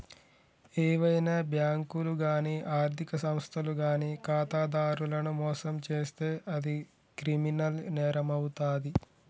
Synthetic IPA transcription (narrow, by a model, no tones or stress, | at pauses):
eːʋɐjnaːbjaːŋkuluɡaːniːʔaːɾt̪ʰikɐsɐmst̪ʰɐluɡaːniːkaːt̪aːd̪aːɾulɐnumɔːsɐmt͡ʃe̞ːst̪e̞ːʔɐd̪i | kɾiminɐlnɛːɾɐmɐwut̪aːd̪i